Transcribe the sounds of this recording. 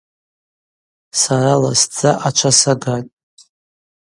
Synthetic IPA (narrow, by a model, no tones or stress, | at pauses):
saɾala̰sd͡zʰʼaʔat͡ʃʷʰasaɡatʼ